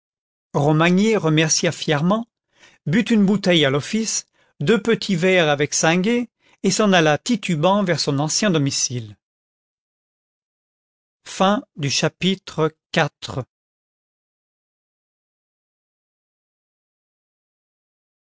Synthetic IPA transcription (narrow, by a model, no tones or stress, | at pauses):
ʁɔmaɲeʁəmɛʁsjafjɛʁmɑ̃ | byt̪ynbut̪ɛjalɔfis | d̪øpət̪ʰivɛʁavɛksɛ̃ɡe | esɑ̃nalat̪it̪ybɑ̃vɛʁsɔ̃nɑ̃sjɛ̃d̪ɔmisil | fɛ̃d̪yʃapit̪χəkat̪χə